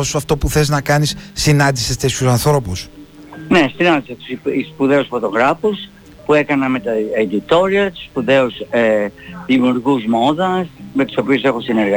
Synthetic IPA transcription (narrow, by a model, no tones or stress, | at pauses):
osuɐft̪o̞puθe̞znɐkɐnisːinɐnd̪isest̪esçusɐnθɾo̞pus | ne̞sinɐnd̪iset̪u̥sispuðe̞usfo̞t̪o̞ɣɾɐfus | pue̞kɐnɐmet̪ɐed̪it̪o̞ɾiɐt̪u̥spuðe̞useðimijuɾɣuzmo̞ðɐsmet̪u̥so̞piuse̞xosineɾɣɐ